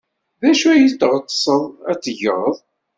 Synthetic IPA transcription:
ðæʃuæjit̪ːʁət̪ːˤsˤəðˤæt͡sːəʝəʁəðˤ

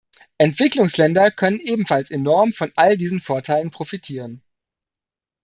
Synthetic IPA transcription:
ʔɛntv̥ɪklʊŋslɛndɐkʰœnənʔeːbm̩falsenɔɐmfɔnʔaldiːzn̩foːɐtʰaɪlənpʁ̥ofitʰiːʁ̞ən

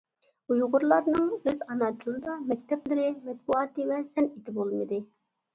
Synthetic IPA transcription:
ujʁʊɾlˠɑɾnɨŋøzɑnɑt̪ʰɨlˠɨd̪ɑmɛkʲt̪ʰɛplɪɾɪmɛt̪̚buɑt̪ɨwɛsɛnit̪ɪbolˠmɨd̪ɨ

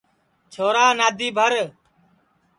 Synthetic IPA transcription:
t͡ʃʰoːɾaːnaːd̪ʱiːbʱəɾ

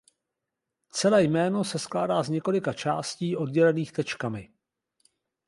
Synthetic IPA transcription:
t͡sɛlɛːjmɛːno̞sɛsklaːdaːzɲɛko̞lɪkat͡ʃa̰ːsciːʔo̞d̚ɟɛlɛniːxt̪ɛt͡ʃkamɪ

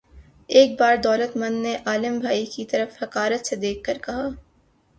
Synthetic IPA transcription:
eːk̚baːɾd̪ɔːlət̪mɐ̃nd̪neʔaːlɪmbʱaːikit̪ɐɾəfhɐkaːɾət̪sed̪eːk̚ʰkɐɾkɐɦaː

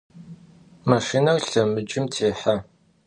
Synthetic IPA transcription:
maʃinɐwɬɐmɨd͡ʒɪmtʰeːħa

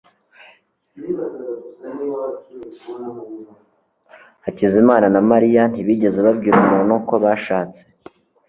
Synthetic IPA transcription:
acizimaːnanamaɾijan̥iβiːɟe̞ze̞βabɟiɾumunuko̞βaʃaːt͡se̞̥

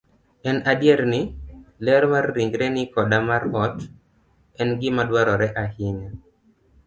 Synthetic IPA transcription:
ɛnadjeɾnɪlɛɾɔmarːiŋɡɾɛnɪkɔdamaɾɔt | ɛnɡɪmadwaɾɔɾɛʔahɪɲa

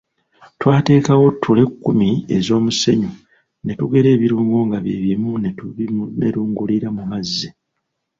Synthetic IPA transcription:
twaːte̞ːkawo̞tʰːule̞kːumiezo̞ːmuse̞ɲu | ne̞tuɡe̞ɾe̞ːβiɾuːŋɡo̞ːŋɡaβjḛβimun | neɾuːŋɡuliɾamumazːi

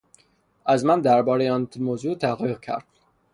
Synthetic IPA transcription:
æzmænd̪æɾbɒːɾejeɔnmozut̪ʰæɣoɣcʰæ̰ɾd̪̥̚

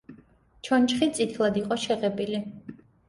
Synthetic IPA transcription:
t͡ʃʰɔnt͡ʃχit̪sʼit̪ʰlˠad̪iqʼɔʃɛʁɛbili

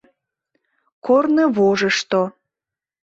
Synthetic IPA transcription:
kornəβoʒəʃt̪o

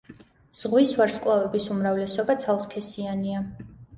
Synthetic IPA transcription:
z̥ʁwisvaɾskʼwavɛbisumɾavlɛsɔbat̪sʰalˠskʰɛsiania

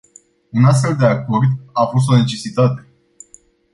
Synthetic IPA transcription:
unast̪fe̞ld̪e̞ako̞rd̪afo̞s̬t̪o̞ne̞t͡ʃe̞sit̪at̪e̞

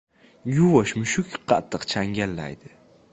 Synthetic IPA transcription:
juwaʃmʊʃukʲqɑ̰t̪ːəqt͡ʃʰaŋɡʲalːa̰jd̪ɪ

